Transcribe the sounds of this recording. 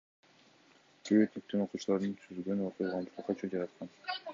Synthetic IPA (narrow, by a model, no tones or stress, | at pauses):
kʰeβet̪ik̚t̪ːyno̞quːt͡ʃulˠɑɾd̪ɯnt̪ʰyzɡø̞noqujʁɑnt̪ʰuqɑt͡ʃʰud͡ʒɑɾɑt̪qɑn